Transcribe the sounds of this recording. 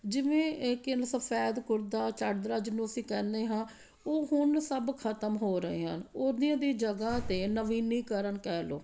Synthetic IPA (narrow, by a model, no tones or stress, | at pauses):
d͡ʒɪʋẽːkɪnsəpʰɛːd̪kʊɾd̪aːt͡ʃəɽd̪ɾaːd͡ʒɪnũːəsĩːkɛːneːɦãː | oːɦʊnsəbkʰət̪əmɦoːɾəɦḛːɦə̰noːd̪ijãːd̪iːd͡ʒəɡãːt̪eːnəʋiːnːiːkəɾənkɛːlo̰ː